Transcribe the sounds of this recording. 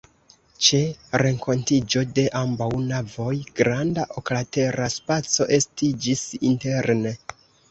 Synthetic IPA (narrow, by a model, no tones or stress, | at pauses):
t͡ʃe̞ɾe̞ŋkʰo̞ntid͡ʒo̞de̞ʔambawnavo̞jɡ̥ɾandaʔoklate̞ɾaspat͡so̞ʔe̞stid͡ʒisḭnte̞ɾne̞